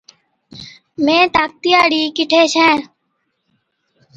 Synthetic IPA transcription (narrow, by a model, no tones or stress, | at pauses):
mẽːt̪aːk̚t̪ijaːɽiːkɪʈʰeːt͡ʃɛ̃ː